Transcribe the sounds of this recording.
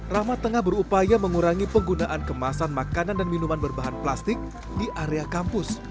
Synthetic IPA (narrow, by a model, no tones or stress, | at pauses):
ramat̪ːəŋahbəɾupajaməŋuɾaŋipəŋɡunaʔankəmasanmakanandanminumanbərbaɦanplast̪ɪk̚ | diʔaɾeakampʊs